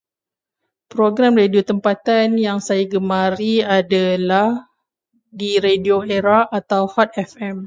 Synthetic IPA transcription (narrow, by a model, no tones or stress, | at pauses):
pɾoɡɾamrediot̪əmpat̪anjaŋsajaɡəmãɾiadalah | diɾedioeɾaʔat̪awfat̪̚ɛfɛm